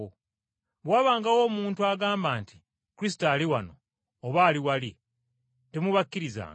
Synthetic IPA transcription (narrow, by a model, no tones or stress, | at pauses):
o | βwaːβaːŋɡawo̞ːmuːntuaɡaːmbaːnti̥ | kuɾis̬i̥taːliwano̞̰ː | βaːliwali | temuβakːiɾiza̰ːŋɡa